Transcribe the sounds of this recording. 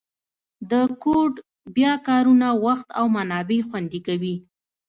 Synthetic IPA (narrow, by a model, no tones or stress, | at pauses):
d̪əkoʈ | bjɑkɑɾunawaxt̪a̰wmanɑbexwand̪ikawi